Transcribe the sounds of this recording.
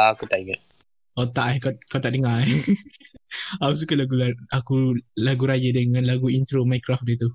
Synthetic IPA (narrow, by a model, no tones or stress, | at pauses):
aakut̪aʔiɡəʔ̚ | ot̪aʔakakat̪aʔdəŋa | akus̬ukəlaɡulaakulaɡuɾajədəŋãnlaɡuint̪ɾomajkɾaf̚dət̪u